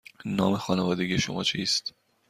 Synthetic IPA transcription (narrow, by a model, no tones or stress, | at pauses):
nɒ̰ːmexɒːnevɒːd̪e̞ɡiːjeʃo̰mɒ̰ːt͡ʃʰiːst̪